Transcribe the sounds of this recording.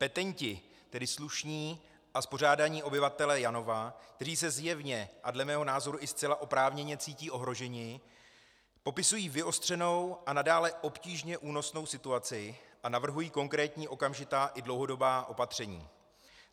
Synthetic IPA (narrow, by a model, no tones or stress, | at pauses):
pɛt̪ɛɲcɪ | t̪ɛdɪsluʃɲiː | ʔaspo̞r̝aːdaɲiːʔo̞bɪvat̪ɛlɛjano̞vak̚t̪ɛriːs̬ɛzjɛvɲɛʔadlɛmɛːɦo̞naːzo̞ɾuʔɪst͡sɛlaʔo̞pɾaːvɲɛɲɛt͡siːciːʔo̞ɦɾo̞ʒɛɲɪ | po̞pɪsujiːvɪo̞st̪r̝̥ɛno̞wʔanadaːlɛʔo̞pciːʒɲɛʔuːno̞sno̞wsɪt̪uat͡sɪʔanavr̩ɦujiːko̞ŋkɾɛːt̪ɲiːʔo̞kamʒɪt̪aːʔɪdlo̞wɦo̞do̞baːʔo̞pat̪r̝̥ɛɲḭː